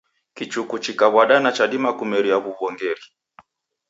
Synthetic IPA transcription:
kit͡ʃukut͡ʃikaβwaɗanat͡ʃaɗimakumɛɾiaβuβɔŋɡɛɾi

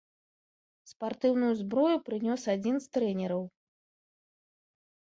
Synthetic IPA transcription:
spart̪ɨwnujuzbɾɔjupɾɨnʲɔsad͡zʲinst̪ɾɛnʲɛɾɐw

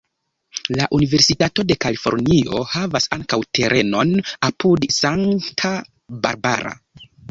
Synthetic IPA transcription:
laʔunive̞ɾsitato̞de̞kalifo̞̰ɾnio̞havasaŋkawte̞ɾʔe̞no̞napudsaŋtʰa | ba̰ɾba̰ɾa̰

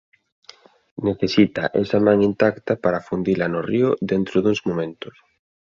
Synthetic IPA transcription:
neθesit̪aʔḛsamãŋint̪akt̪apaɾafund̪ilanoriʊðent̪ɾoðuŋzmomẽnt̪ʊs

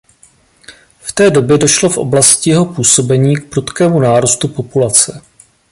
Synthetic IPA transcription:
ft̪ɛːdo̞bjɛdo̞ʃlo̞fʔo̞̰blascɪjɛɦo̞puːso̞bɛɲiːk̚pɾut̪kɛːmunaːɾust̪upo̞pulat͡sɛ

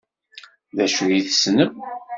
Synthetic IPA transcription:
ðæʃɣiθə̥snəm

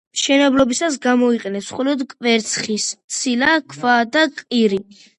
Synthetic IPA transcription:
mʃɛnɛblɔbisas̬ɡamɔiqʼɛnɛpsχɔlɔd̪kʼvɛɾt̪sʰχist̪sʰilakʰvad̪akʼiɾi

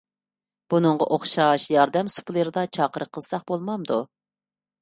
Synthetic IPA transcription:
b̥unɨɴʁɑʔoχʃɑʃjɑɾd̪ɛmsu̥pʰlˠəɾɨd̪ɑt͡ʃʰɑːqəɾəqʰəlˠsɑχbolˠmɑmd̪u

